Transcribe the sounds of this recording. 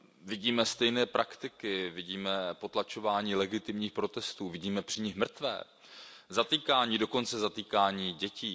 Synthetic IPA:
vɪɟiːmɛst̪ɛjnɛːpɾʔakt̪ɪkɪvɪɟiːmɛpo̞t̪lat͡ʃo̞vaːɲiːlɛɡɪt̪ɪmɲiːxpɾo̞t̪ɛst̪uːvɪɟiːmɛpr̝̥ɪɲɪxmr̩t̪vɛ̰ː | zat̪iːkaːɲiːdo̞ko̞nt͡sɛzat̪iːkaːɲiːɟɛciː

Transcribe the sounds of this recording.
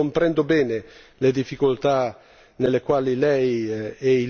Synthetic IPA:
ompɾɛnd̪obɛːne | led̪ifːikolt̪a | nelːekwaːlilɛjɛi

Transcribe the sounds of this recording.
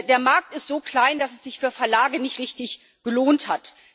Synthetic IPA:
deːɐmaɐk̚tɪstz̥oːkl̥aɪndasɛsz̥ɪçfyːɐfɛɐlaːɡənɪçtʁɪçtɪç | ɡ̥əloːnthat

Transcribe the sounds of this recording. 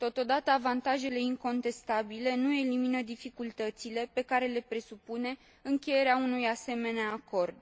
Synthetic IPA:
t̪o̞t̪o̞d̪at̪əavant̪aʒe̞le̞iŋko̞nt̪e̞st̪abile̞nue̞liminəd̪ifikult̪ət̪sile̞pe̞kaɾe̞le̞pɾe̞supune̞ | ɨŋkʲe̞je̞ɾeaunujase̞me̞neaːko̞rd̪

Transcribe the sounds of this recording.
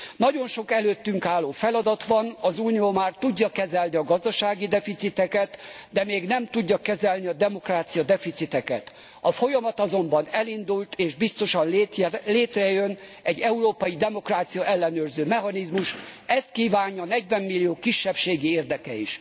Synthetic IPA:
nɒɟo̞nʃo̞kɛløːt̪ːyŋkaːlːoːfɛlɒd̪ɒt̪ʋɒnɒzuːnijoːmaːrt̪uɟːɒkɛzɛlniɒɡɒzd̪ɒʃaːɡid̪ɛfit̪sit̪ɛkɛt̪d̪ɛmeːɡnɛmt̪uɟːɒkɛzɛlniɒd̪ɛmo̞kraːt̪sijɒd̪ɛfit̪sit̪ɛkɛ̰t̪ | ɒfo̞jɒmɒt̪ɒzo̞mbɒnɛlind̪ult̪ʰeːʒbist̪o̞ʃɒnlleːt̪rɛjøn | ɛɟːɛuɾoːpɒjid̪ɛmo̞kraːt̪sijɒʔɛlːɛnøːrzøːmɛɦɒnizmuʃɛst̪̚kiːvaːɲːɒnɛɟvɛmːilːijoːkiʃːɛpʃeːɡieːrd̪ɛkɛḭʃ

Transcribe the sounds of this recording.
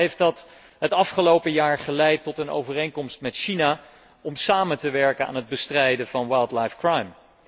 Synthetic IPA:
ejftɑt | ɦətɑfχəlowpəjaːɹχəlɛjtːɔtəno̰wvərejŋkɔmstmɛtʃina | ɔmsaːmətəʋɛɹkəna̰ːnɦəd̚bəstrɛjdəvɑnwajlˠdlajfkrajm

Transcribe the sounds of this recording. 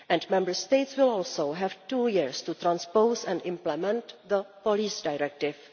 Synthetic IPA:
ʔɛ̃ndmɛ̃mbəɹst̪eɪt̪swɪlɔːlsowɦɛvtuːjɪɹst̪ut̪ɾãnspowsɛ̃ntɪ̃mplɛmɛ̃nt̪ðəpoliːsdajɾɛk̚tɪf

